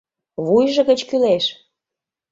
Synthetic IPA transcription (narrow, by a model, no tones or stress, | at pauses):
βujʒə̆ɣət͡ɕkyleʃ